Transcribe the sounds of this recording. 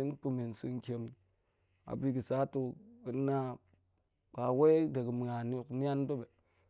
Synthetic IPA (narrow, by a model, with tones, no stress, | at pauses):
i˦n˦pu˦mi˨n˨si˦ŋkʲe˨m˨ | a̰˨bi˦ki˨sa˨˦tu˦ki˦na˦ | k͡pa˨we˦de˨ɡɨ˨mi˨ŋa˨n˦u˨kni˦a˦n˦do˦be˨